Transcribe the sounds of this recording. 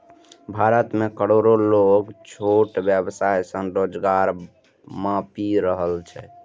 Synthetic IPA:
bʱaɾət̪mekəɽoɾoloɡt͡ʃʰoʈbjəbsajsənɾod͡ʒɡaɾ | mãpiɾəɦəlt͡ʃʰɛ

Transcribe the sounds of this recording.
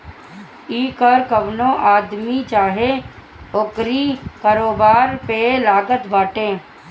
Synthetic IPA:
iːkəɾkəʋnõʔaːd̪mit͡ʃaːɦe | okɾikaːɾoːbaːɾpelaːɡət̪bʱaːʈẽː

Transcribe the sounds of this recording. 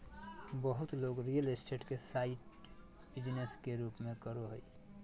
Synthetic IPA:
bəɦʊt̪loːɡɾijəlsʈeːʈkesaːɪʈ | bɪd͡ʒneskeɾuːpmẽkəɾoɦəi

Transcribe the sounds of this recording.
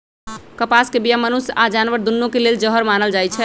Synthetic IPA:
kəpaskebijamənusad͡ʒanʋəɾd̪unːõkeleld͡ʒəɦəɾmanəld͡ʒajt͡ʃʰɛ

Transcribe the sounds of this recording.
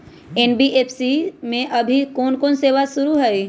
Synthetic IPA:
eːnbiʔeːpʰsimẽʔɐbʱikɔːnkoːnseːʋasʊɾuɦɛi

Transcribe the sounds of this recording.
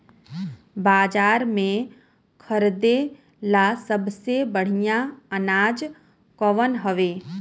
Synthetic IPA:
baːd͡ʒaːɾmẽ | kʰəɾd̪e | lasəbsebəɽ̤ijaənaːd͡ʒ | kɔʋənɦəʋeː

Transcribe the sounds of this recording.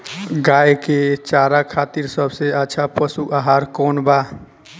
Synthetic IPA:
ɡajket͡ʃaɾakʰat̪iɾsəbʱseətːt͡ʃʰapəsuʔaɦaɾkɔnba

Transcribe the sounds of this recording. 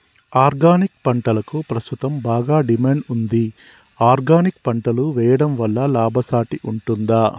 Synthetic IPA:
aːɾɡaːnik̚pɐɳʈɐlɐkupɾɐst̪ut̪ɐmbaːɡaːɖimeːɳɖund̪i | aːɾɡaːnik̚pɐɳʈɐluʋɛːjɐɽɐmʋɐlːɐlaːbʱɐsaːʈiʔuɳʈund̪aː

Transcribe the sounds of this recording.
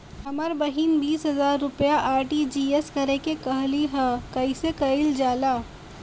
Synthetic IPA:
ɦɐməɾbɐɦiːnbiːsɦɐzaːɾːʊpjaʔaːɾʈid͡ʒiːeskɐɾekekɐɦliɦɛkɐisekɐɪld͡ʒaːlaː

